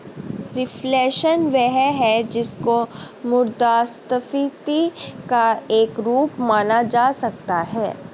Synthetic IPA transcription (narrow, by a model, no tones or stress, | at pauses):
ɾɪflɛːʃənʋɛɦɦɛd͡ʒɪsko | mʊɾd̪aːst̪əfit̪ikaeːkɾuːpmaːnad͡ʒaːsɐk̚t̪aɦɛ̰ː